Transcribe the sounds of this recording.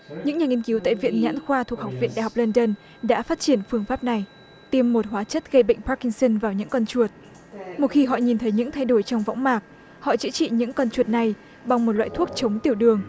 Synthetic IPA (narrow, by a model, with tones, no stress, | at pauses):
ɲɨ̰˧˥ŋɲaː˨˩ŋi˧ənki˨˦wt̪a̰ː˧˨jvḭ˧˨ənɲa̰ː˧˥nxwaː˧t̪ʰu˨˩əha˨˩wk͡p̚vḭ˧˨nɗaː˧˨ɦa˨˩k͡p̚lə˧nɗə˧n | ɗa̰ː˧˥faː˦˥t̚t͡ɕi˧˩ənfɨ˧əŋfaː˦˥p̚na˨˩j | t̪i˧əmːo˨˩t̚ɦwaː˨˦t͡ɕə˦˥t̚ɣə˧jɓə̰˧˨ŋ̟pa˦˥ki˧ŋsə˧nvaː˨˩wɲɨ̰˧˥ŋkɔ˧nt͡ɕu˨˩ət̚ | mo˨˩t̚xi˧ɦɔ̰˧˨ɲi˨˩nt̪ʰə˨˦jɲɨ̰˧˥ŋt̪ʰa˧jɗo˧˩jt͡ɕɔ˧wŋ͡mva̰˧˥wŋ͡mmaː˨˩k̚ | hɔ̰˧˨t͡ɕɨ̰˧˥t͡ɕḭ˧˨ɲɨ̰˧˥ŋkɔ˧nt͡ɕu˨˩ət̚na˨˩j | ɓa˨˩ŋŋ͡mmo˨˩t̚lwa̰ː˧˨jt̪ʰu˦˥ək̚t͡ɕə˨˦ŋ͡mt̪i˨˩əwɗɨ˨˩əŋ